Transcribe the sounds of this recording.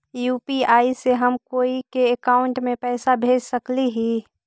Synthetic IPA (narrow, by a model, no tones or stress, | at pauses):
juːpiaːiseɦəmkoːikeekaːʊɳʈmẽpɛːsabʱeːd͡ʒsəkliɦiː